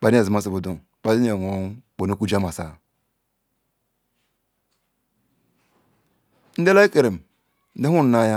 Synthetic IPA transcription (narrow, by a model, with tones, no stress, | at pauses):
k͡pa˨de˨zi˨ma˦s̬i˨bu˨du˨ŋ | k͡pa˨di˦e˨o˨˦k͡po˨no˦ku˦d͡ʒa˦ma˨sa˨ | n̩˦de˦la˦i˦ke˨ɾe˨m˨ | n̩˦de˦u˦n̩˨na˦ja˦